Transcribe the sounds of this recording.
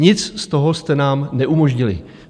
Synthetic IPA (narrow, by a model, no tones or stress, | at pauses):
ɲɪt͡sst̪o̞ɦost̪ɛnaːmnɛʔumo̞ʒɲɪlɪ̰